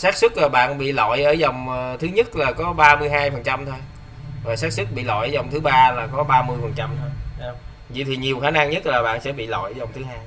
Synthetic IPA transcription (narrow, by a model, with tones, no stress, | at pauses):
saː˦˥k̚sɨ˦˥k̚laː˨˩ɓa̰ː˧˨nɓḭ˧˨lɔ̰˧˨jʔəː˧˩zɔ˨˩wŋ͡mt̪ʰɨ˨˦ɲə˦˥t̚laː˨˩kɔ˨˦ɓaː˧mɨ˧əjɦaː˧jfə˨˩nt͡ɕa˧mt̪ʰo˧j | vaː˨˩saː˦˥k̚sɨ˦˥k̚ɓḭ˧˨lɔ̰˧˨jə˨˦zɔ˨˩wŋ͡mt̪ʰɨ˨˦ɓaː˧laː˨˩kɔ˨˦ɓaː˧mɨ˧əjfə˨˩nt͡ɕa˧mt̪ʰo˧ja˨˦˧wŋ͡m | vḭ˧˨t̪ʰi˨˩ɲi˨˩əwxaː˨˦na˧ŋɲə˦˥t̚laː˨˩ɓa̰ː˧˨nsɛ̰˧˥ɓḭ˧˨lɔ̰˧˨jzɔ˨˩wŋ͡mt̪ʰɨ˨˦ɦaː˧j